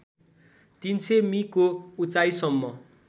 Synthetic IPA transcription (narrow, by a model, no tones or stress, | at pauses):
t̪int͡sʰemikout͡sajsʌmːʌ